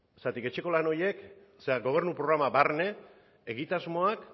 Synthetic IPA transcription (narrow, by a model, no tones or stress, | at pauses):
sat̪ike̞t͡ʃe̞ko̞lano̞je̞k | seaɡo̞β̞e̞ɾnupɾoɾamabarne̞ | eɣit̪azmo̞ak